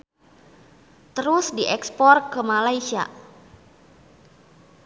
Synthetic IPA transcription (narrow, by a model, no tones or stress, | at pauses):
t̪əɾʊsdiʔɛkspɔrkəmalaisia̰